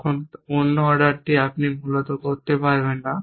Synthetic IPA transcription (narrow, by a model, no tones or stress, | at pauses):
kʰononːoɔɾɖaɾʈiapnimulot̪okoɾt̪epaɾbenːa